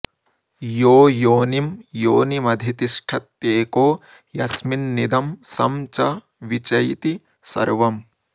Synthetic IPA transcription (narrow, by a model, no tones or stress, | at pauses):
joːjoːnimjoːnimɐd̪ʱit̪iʂʈʰɐt̪ːeːkoː | jɐsminːid̪ɐmsɐmt͡ʃɐ | ʋit͡ʃɐjt̪i | sɐ̰ɾʋɐm